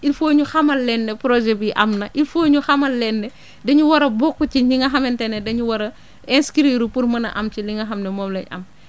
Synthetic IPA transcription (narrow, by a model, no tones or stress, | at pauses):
ilfoːɲuxɐmɐlːɛnːɛpɾɔʒɛbiʔɐmnɐʔilfoːɲuxɐmɐlːɛnːɛ | dɐɲuwɐɾɐbɔkːuciɲiŋɡɐxɐmɛntɛnɛdɐɲuwɐɾɐ | ɛnskiɾiɾupurmɐnɐ̰ʔɐmciliŋɡɐxɐmnɛmɔmlɛɲʔɐ̰m